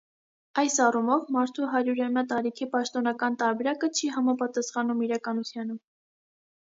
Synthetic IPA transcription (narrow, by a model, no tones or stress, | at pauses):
ɑjsɑrumɔvmɑɾt̪ʰuɦɑɾjuɾɑmjɑt̪ɑɾikʰipɑʃt̪ɔnɑkɑnt̪ɑɾbɛɾɑkət͡ʃʰiɦɑmɑpɑt̪ɑsχɑnumiɾɑkɑnut̪ʰjɑnə